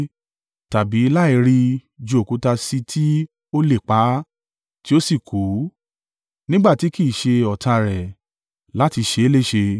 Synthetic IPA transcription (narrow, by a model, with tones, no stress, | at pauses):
ta˨bi˨˦la˦i˧ɾi˧d͡ʒo˧˨o˨ku˨˦ta˧si˧tʰi˦ | o˦le˦˨k͡pa˨˦ | ti˦o˦si˦˨kʰu˨˦ | nĩ˦ɡ͡ba˦˨ti˨˦ki˦˨ʃe˧ɔ˨ta˧ɾɛ˨ | la˦ti˧ʃe˧e˦le˦˨ʃe˧